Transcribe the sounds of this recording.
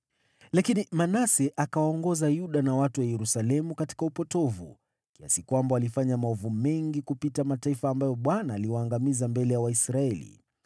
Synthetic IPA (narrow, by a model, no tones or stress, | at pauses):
lakinimanasɛʔakawaɔŋɡɔzajuɗanawatuwajɛɾusalɛmukati̥kaupɔtɔvṵ | kia̰sikwambaalifaɲamaɔvumɛŋɡikupitamataifaːmbajɔɓwanaːliwaːŋɡamizambɛlɛjawaisɾaɛlḭ